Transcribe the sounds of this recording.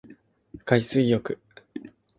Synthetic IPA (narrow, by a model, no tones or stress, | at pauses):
kaisɨijo̞kɯ̟